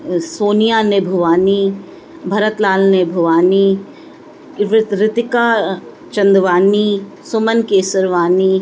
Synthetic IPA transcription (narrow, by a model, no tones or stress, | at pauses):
soːnijanebʱʊʋaːni | bʱɐɾət̪laːlnebʱʊʋaːni | ɾɪt̪ɪkaː | t͡ʃɐ̃nd̪ʋaːni | sʊmənkeːsəɾʋaːniː